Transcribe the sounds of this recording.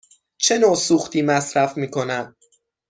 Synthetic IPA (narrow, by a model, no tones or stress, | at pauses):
t͡ʃʰe̞noːsuːxt̪ʰiːmæsɾæfmiːkʰo̞næn